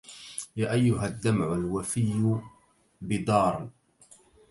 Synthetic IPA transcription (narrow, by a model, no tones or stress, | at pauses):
jaːʔajːʊɦad̪ːamʕʊlwafɪjːʊ | bɪd̪ˤɑːɾˤn